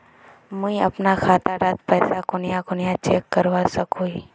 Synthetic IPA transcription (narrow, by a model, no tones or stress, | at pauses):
mũia̰pnakʰat̪aɾat̪pəjsakonijãkʊnjãt͡ʃekːəɾʋasəkui